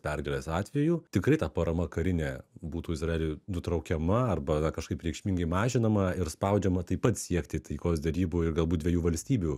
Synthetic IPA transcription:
pʲɛrɡʲɛlʲeːsɑːt̪ʲʋʲɛjuːt̪ʲɪkɾɐɪt̪ɐpɐɾɐmɐkɐɾʲɪnʲeːbuːt̪uːɪsɾɐeːlʲʊɪnʊt̪ɾɐʊkʲɛmɐɐrbɐnɐkɐʃkɐɪpɾʲɛɪkʃʲmʲɪŋɡɐɪmɑːʒʲɪnɐmɐɪɾspɐʊd͡ʒʲɛmɐt̪ɐɪpɐt̪sʲiɛkt̪ʲɪt̪ɐɪkoːsd̪ʲɛɾʲiːbuːɪrɡɐlˠbuːt̚d̪ʲʋʲɛjuːʋɐlʲsʲt̪ʲiːbʲuː

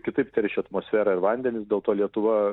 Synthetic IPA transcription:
kʲɪt̪ɐɪpt̪ʲɛɾʲʃʲɪɐt̪moːsʲfʲæːɾɐɪɾʋɐnʲd̪ʲɛnʲɪsd̪ʲeɛlˠt̪oːlʲiɛt̪ʊʋɐ

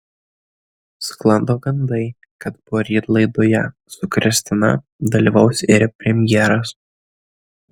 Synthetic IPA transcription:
sklˠɐnd̪oːɡɐnd̪ɐɪ | kɐt̪̚bʊoːɾʲiːt̪lˠɐɪd̪oːjɛ | sʊkɾʲɪsʲt̪ʲɪnɐ̰ | d̪ɐlʲiːʋɐʊsʲɪɾʲpʲɾʲɛmʲjɛɾɐs

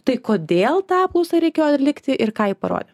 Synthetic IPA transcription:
t̪ɐɪkoːd̪ʲeːlˠt̪ɑːp̚luʊsɐɾʲɛɪkʲeːjoɐt̪ʲlʲɪkt̪ʲɪʔɪɾkɑːjɪpɐɾo̰ːd̪ʲɪ

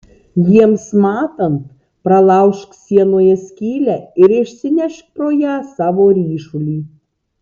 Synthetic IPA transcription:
jiɛmsmɑːt̪ɐnt̪̚ | pɾɐlˠɑʊʃksʲiɛnoːjɛsʲkʲiːlʲæɪɾɪʃʲsʲɪnʲɛʃk̚pɾoːjæːsɑːʋoːɾʲiːʃulʲiː

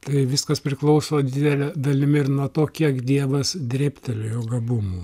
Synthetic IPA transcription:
t̪ɐɪʋʲɪskɐspʲɾʲɪklˠɐʊsoːd̪ʲɪd̪ʲɛlʲɛd̪ɐlʲɪmʲɪɪɾnuɔt̪oːkʲiɛkd̪ʲiɛʋɐsd̪ʲɾʲeːpʲt̪ʲɛlʲoːjoːɡɐbʊmuː

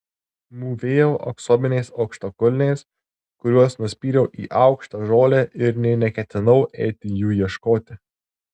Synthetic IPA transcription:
muːʋʲeːjɛʊʔɐ̰ksoːbʲɪnʲɛɪsɐʊkʃt̪okʊlʲɪnʲɛɪs | kʊɾʲuɔsnʊsʲpʲiːɾʲɛʊʔḭːʔɑʊkʃt̪ɐʒoːlʲɛʔɪɾnʲɛnʲɛkʲɛt̪ʲɪnɐʊʔɛɪt̪ʲɪjuːjiɛʃkoːt̪ʲɪ

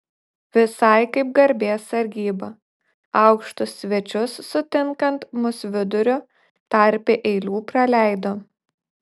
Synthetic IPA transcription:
ʋʲɪsɐɪkɐɪp̚ɡɐɾʲbʲeːsɐɾʲɡʲiːbɐ | ɐʊkʃt̪ʊsːʲʋʲɛt͡ʃʲʊsːʊt̪ʲɪŋkɐnt̪mʊsʲʋʲɪd̪ʊɾʲʊ | t̪ɐɾʲpʲeʔɛɪlʲuːpɾɐlʲæˑɪd̪oː

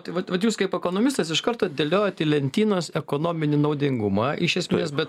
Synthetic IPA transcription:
t̪ʋɐt̪ʋɐt̪juːskɐɪpɛkoːnoːmʲɪst̪ɐsɪʃkɐɾt̪oːɐd̪ʲelʲoːjoːt̪iːlʲɛnʲt̪ʲiːnoːsɛkoːnoːmʲɪnʲɪnɐʊd̪ʲɪŋɡʊmɑʔɪʃʲɛsʲmʲeːsbʲɛt̪

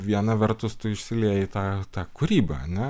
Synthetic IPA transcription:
ʋʲiɛnɐʋʲɛrt̪ʊst̪ʊɪʃʲsʲɪlʲiɛjɪt̪ɑːt̪ɑːkʊɾʲiːbɐ̰ɐ̰nʲɛ

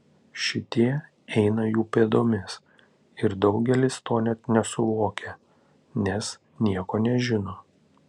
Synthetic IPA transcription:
ʃʲɪt̪ʲiɛ | ɛɪnɐjuːpʲed̪oːmʲɛs | ɪɾd̪ɒʊɡʲɛlʲɪst̪oːnʲɛt̪nʲɛsʊʋoːkʲe | nʲɛs | nʲiɛkoːnʲɛʒʲɪnoː

